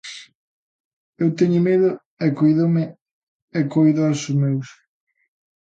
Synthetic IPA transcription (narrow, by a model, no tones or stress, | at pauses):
ewt̪ɛɲʊmeðʊ | ɛkojðomɪ | ɛkojðasʊzmews